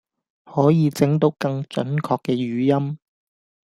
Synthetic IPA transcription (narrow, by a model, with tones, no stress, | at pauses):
hɔː˨˥jiː˨˧t͡sɪ˨˥ŋt̪o˨˥wkɐ˧ŋt͡ʃɵ̰˨˥nkʰɔː˧kːɛː˧jyː˨˥jɐ˥m